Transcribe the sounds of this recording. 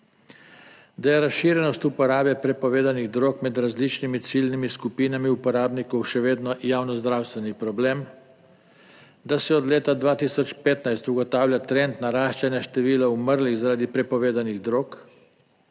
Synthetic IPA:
d̪ajɛɾasʃiːɾjɛnɔst̪upɔɾaːbɛpɾɛpɔʋeːd̪aniɣd̪ɾoːkmɛd̪ɾazlit͡ʃnimit̪silnimiskupiːnamiupɔɾaːbnikɔwʃɛʋeːd̪nɔjaːwnɔzd̪ɾaːwst̪ʋɛnipɾɔbleːm | d̪asɛɔd̪leːt̪ad̪ʋaːt̪isɔt͡ʃpeːt̪najst̪uɡɔt̪aːwlʲjat̪ɾɛnt̪naɾaːʃt͡ʃanjaʃt̪ɛʋiːlauməɾliɣzaɾaːd̪ipɾɛpɔʋeːd̪aniɣd̪ɾoːk

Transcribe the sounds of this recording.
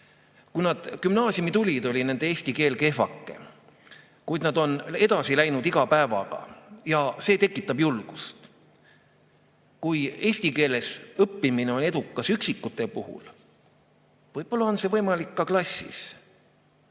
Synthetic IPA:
kujnɑd̪̥kymnɑːsʲjumit̪ulʲid̪o̞lʲinend̪̥eeːsʲt̪ike̞ːlke̞fɑkːˑe̞̰ | kujd̪nɑd̪̥o̞ne̞d̪ɑsilæjnud̪̥iɡ̥ɑpæevɑ̰ɡ̥ɑ̰jɑse̞ːt̪e̞kːˑit̪ːˑɑb̥julɡ̥ust̪ | kuje̞ːsʲt̪ike̞ːle̞sɤpːimineo̞ne̞d̪ukˑːɑsyksikːˑut̪ːˑepuhṵl | vɤjb̥o̞lːɑo̞nse̞vɤjmɑlikːɑklɑsʲːḭs

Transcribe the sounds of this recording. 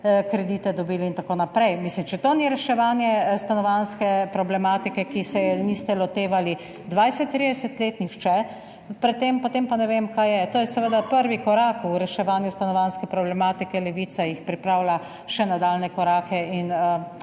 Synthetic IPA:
kɾɛd̪iːt̪ɛd̪ɔbiːliint̪akoːnapɾɛjmislimt͡ʃɛt̪oniɾɛʃɛʋaːnjɛst̪anɔʋanskɛpɾɔblɛmaːt̪ikɛkisɛniːst̪ɛlɔt̪eːʋali | d̪ʋajsɛt̪ːɾiːd̪ɛsɛt̪leːt̪nixt͡ʃɛ | pɾɛt̪ːempot̪empanɛʋemkajjɛt̪oːjɛsɛʋəd̪apəɾʋikɔɾaːkuɾɛʃɛʋaːnjust̪anɔʋanskɛpɾɔblɛmaːt̪ikɛlɛʋiːt̪sajixpɾipɾaːwla | ʃɛnad̪aːlnɛkɔɾaːkɛinə

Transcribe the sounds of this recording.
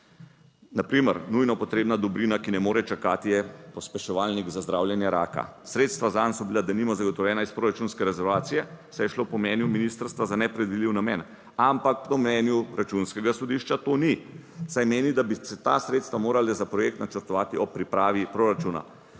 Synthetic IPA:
napɾiməɾnujnɔpɔt̪ɾeːbnad̪ɔbɾinakinɛmoːɾɛt͡ʃakaːt̪ijɛpɔspɛʃɔʋaːlniɡzazd̪ɾawljɛnjɛɾaːka̰ | sɾeːt̪st̪ʋazansɔbilad̪animɔzaɡɔt̪ɔwjɛːnaispɾoːɾat͡ʃunskɛɾɛzɛɾʋaːt̪sijɛsɛjɛʃlopɔmnɛːnjuminist̪ɾst̪ʋazanɛpɾɛd̪ʋidliwnamɛ̰ːn | ampakpt̪ɔmnɛnjuɾʔat͡ʃunskɛɡasɔd̪iʃt͡ʃat̪onisajmeːnid̪abisɛt̪a̰sɾet̪st̪ʋamoːɾalɛzapɾɔjek̚t̪nat͡ʃəɾt̪ɔʋaːt̪iɔpːɾipɾaːʋipɾoɾat͡ʃuna̰

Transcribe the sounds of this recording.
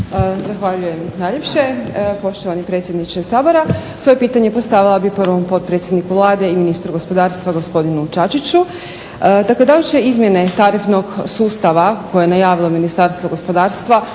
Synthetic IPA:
zaxʋaʎuje̞mnaʎe̞pʃe̞po̞ʃt̪oʋanipɾe̞t̪sʲje̞d̪nit͡ʃesaːbo̞ɾasʋo̞je̞piːt̪aɲe̞po̞st̪aʋilˠabiprʋo̞mpo̞t̪̚pɾet̪sjed̪nikuʋlˠaːd̪e̞iminiːst̪ɾuɡo̞spo̞d̪aːɾst̪ʋaɡo̞spo̞d̪inut͡ʃat͡ʃit͡ɕu | d̪akled̪alit͡ɕeizmje̞ne̞t̪aɾifno̞ɡsuːst̪aʋako̞jejenajaːʋilˠo̞minist̪aɾst̪ʋoɡo̞spo̞d̪aːɾst̪ʋa

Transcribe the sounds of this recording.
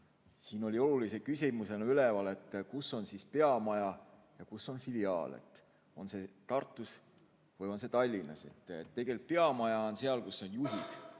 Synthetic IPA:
siːno̞lʲio̞lulise̞kysimuse̞nɑylevɑle̞t̪ˑːkusːo̞nsispe̞ɑmɑjɑjɑkusːo̞nfiliɑ̰ːlḛt̪ˑ | o̞nse̞t̪ɑrt̪ːˑus | vɯjo̞nse̞t̪ɑlʲːinːɑ̰se̞̰t̪ˑːe̞ɡ̥e̞lp̪̚peɑmɑjɑonse̞ɑlkusːo̞njuɦid̪̥

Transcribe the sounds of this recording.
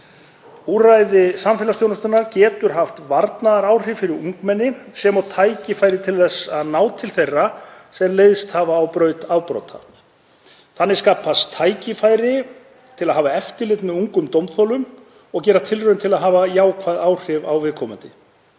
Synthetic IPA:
urajðɪsamfɛlast̪jownʏst̪ʏnːaɾcɛːt̪ʏɾ̥ɦaft̪vaɾt̪naðaɾaːwr̥ɪvfɪɾɪɾuŋkmɛnːɪsɛmɔt̪ʰaːjcɪfaːjɾɪt̪ʰɪlθɛsaðnaːwt̪ʰɪlθejrːasɛmleːjðst̪havaːwpɾœːɥt̪awpɾo̰wt̪ʰa̰ | θanːɪskaːpʰast̪ʰaːjcɪfaːjɾɪ | t̪ʰɪlaðɦaːvaɛft̪ɪlɪt̪nʏuŋkʏmt̪owmt̪θɔlʏm | ɔɣcɛːɾat̪ʰɪlrʏðʏnt̪ʰɪlaðɦaːvajaːwkʰvaːðaːwr̥ɪvawvɪðkʰɔːmʏnt̪ɪ̰

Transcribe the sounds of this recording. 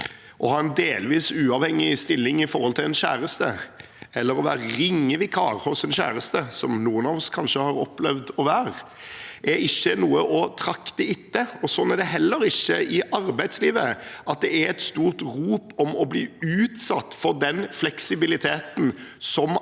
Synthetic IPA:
ʔɔhɑːɛnd̪eːlʋiːsʉːɑːʋhɛŋɪst̪ɪlːɪŋɪfɔɾʁhɔlt̪ɪlɛnɕæ̰ːɾəst̪ə | ɛlːəɾɔʋæ̰ːɾəɾɪŋːəʋɪkʰɑːɾhɔsɛnçæ̰ːɾəst̪əsɔmnuːənɑːʋɔskʰɑnʂəhɑɾɔplɛʋd̪ɔʋæːɾ | ʔæɾɪçːənuːəʔɔt̪ʰɾɑkt̪əɪt̪ːəɔsɔnːæɾɖ̪ɛɦɛlːəɾɪçːəɪʔɑɾbæɪd̪sliːʋəʔɑt̪̚d̪ɛæɾɛt̪st̪uːʁt̪ɾuːpɔmɔblḭːʉːt̪sɑt̪ːfɔd̪ɛnflɛksɪbɪlɪt̪ʰeːt̪n̩sɔm

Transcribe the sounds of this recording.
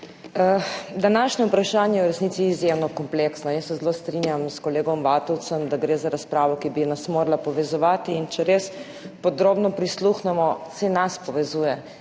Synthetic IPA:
əd̪anaʃnɛupɾaʃaːnjɛjɛwɾɛsnit̪iːzjemnɔkɔmpleːksnɔjəsːɛzloːst̪ɾinjamskɔleːɡɔmʋaːt̪ɔw̪sɔmd̪aɡɾeːzaɾaspɾaːʋɔkibinasmoːɾalapɔʋɛzɔʋaːt̪iːnt͡ʃɛɾes | pɔd̪ɾoːbnɔpɾisluxnɛmɔsɛnaspɔʋɛzuːjɛ

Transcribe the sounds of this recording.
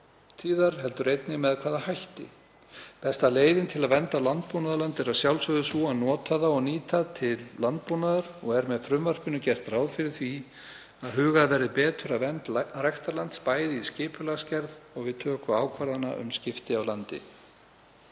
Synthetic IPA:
t̪ʰiːðaɾ̥ɦɛlt̪ʏɾejt̪nɪmɛðkʰvaːðahajht̪ɪ̰ | pɛst̪aleːjðɪnt̪ʰɪlaðvɛnt̪alant̪̚punaðlant̪ɛɾaðsjawlsœɣðʏsuanɔːt̪ʰaðaɔɣniːt̪at̪ʰɪlːant̪̚punaðaɾ̥ɔɣɛɾmɛðfɾʏmvar̥pɪnʏcɛr̥t̪ɾaːwðfɪɾɪɾ̥θvi | aðɦʏːɣaðvɛɾðɪpɛːt̪ʏɾaðvɛnt̪rajxt̪aɾlant̪spaːjðɪiscɪːpʰʏlascɛɾðɔɣvɪðt̪ʰœːkʏaːwkʰvaɾðana̰ʔʏ̰mscɪft̪ɪawlant̪ɪ̰

